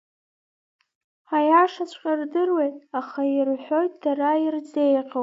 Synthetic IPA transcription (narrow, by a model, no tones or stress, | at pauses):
ajaʂat͡ɕʷʰqʲʼardɨrwe̞jtʼaχairħʷo̞jtʰʼd̥araird͡ze̞jqʲʼa